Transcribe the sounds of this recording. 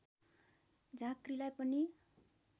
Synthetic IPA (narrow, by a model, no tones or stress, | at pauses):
d͡zakrilajpʌni